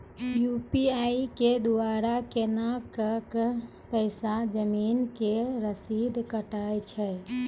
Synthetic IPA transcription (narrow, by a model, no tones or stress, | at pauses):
jupiaiked̪uaɾakenakək | pəɪsad͡ʒəminkeɾəsid̪ʱkəʈajt͡ʃʰɛ